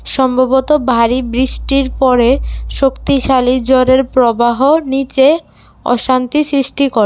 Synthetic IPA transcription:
ʃɔmbʱabot̪obʱaɾibɾiʃʈiɾpɔɾeʃokt̪iʃalid͡ʑoɾeɾpɾobaɦonit͡ɕe | ɔ̰ʃant̪isɾiʃʈikoɾe

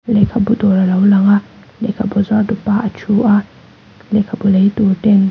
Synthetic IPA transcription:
lekʰabud̪oɾalaulaŋa | lekʰabɔzwadupaat͡ʃʰuʔa | lekʰabuleit̪utɛn

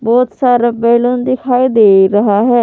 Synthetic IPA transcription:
bɔːt̪saːɾaːbeːlond̪ɪkʰaːid̪eːɾəɦaɦɛː

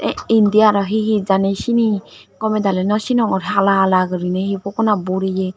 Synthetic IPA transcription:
ind̪ijaɾɔɦiɦid͡ʒanesini | kɔmɛd̪alɛnɔsinɔŋɔɾɦalalaɡɯɾinɛhipɔkɔnabɔɾije

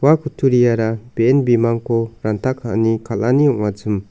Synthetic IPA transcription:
wakʰutʰuɾijaɾab̥eenbimaŋkʰɔɾantʰakʰanikʰalaniɔʔ̚ŋad͡ʒɯm

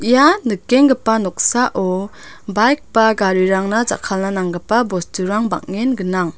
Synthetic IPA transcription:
ʔijanɯkeŋɡɯpanɔk̚saʔɔ | bajk̚b̥aɡaɾiɾaŋnad͡ʒa̰kʰalnanaŋɡɯpabɔstuɾaŋba̰k̚ŋenɡɯnaŋ

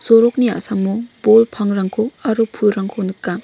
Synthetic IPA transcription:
sɔɾɔk̚nia̰samːubolpʰaŋɾaŋkʰoaɾupʰuɾaŋkʰonɯkːa

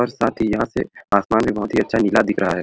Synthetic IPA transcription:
ɔɾsaːt̪ʰijɐɦãsḛaːsmaːnmẽbɔɦʊt̪ɦiɐtːʃʰaniːlad̪ɪkʰɾʔɐɦaɦɛː

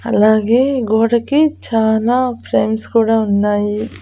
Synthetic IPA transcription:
ɐ̰laːɡe̞ːɡoːɽɐkit͡ʃaːlaːpʰɾeːmskuːɽaːunːaːji

